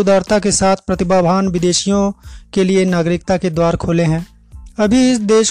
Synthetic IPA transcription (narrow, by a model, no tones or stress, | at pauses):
ʊd̪aːɾt̪akesaːt̪ʰpɾɐt̪ɪbaːbʱaːnʋɪd̪eːʃijõkelienaːɡɾɪkt̪aked̪waːɾkʰoːleɦɛ̃ː | ɐbʱiɪsd̪eːʃ